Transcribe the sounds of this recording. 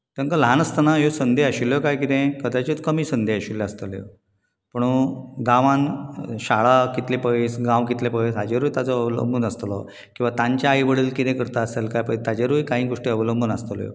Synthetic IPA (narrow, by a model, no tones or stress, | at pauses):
t̪eŋkəlɦanəst̪ənajosənd̪ʱeəɕiljokajk̬it̪ẽkəd̪at͡ɕit͡skəmiːsənd̪ʱeəɕilːeəst̪əljo̰ | pəɳ̃uɡãʋãnɕaɭakit̪lepəisɡãʋkit̪lepəisad͡ʑeɾujt̪jat͡sɔəʋlə̰mbʱunəst̪lɔ̰ | kĩw̃ʋat̪ãɲt͡ɕjaːiʋəɽiːlkit̪ẽkəɾt̪aəselkajpəjt̪ad͡ʑeɾujkãɦĩːɡoʂʈiəʋləmbʱunəst̪əljo̰